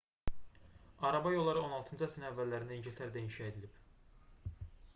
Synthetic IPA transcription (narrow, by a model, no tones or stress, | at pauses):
ɑɾɑbɑjo̞lˠːɑɾɯo̞nɑlˠt̪ʰɯnd͡ʒɯæsininævːælːæɾind̪æiɲɟilʲt̪ʰæɾd̪æinʃɑed̪ilib